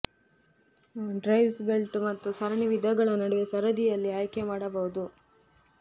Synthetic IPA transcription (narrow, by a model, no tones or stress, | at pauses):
ɖɾɐjʋsbe̞lʈmɐt̪ːusɐɾɐniʋid̪ʱɐɡɐɭɐnɐɽuʋesɐɾɐd̪ijɐlːiaːjkemaːɽɐbɐɦud̪u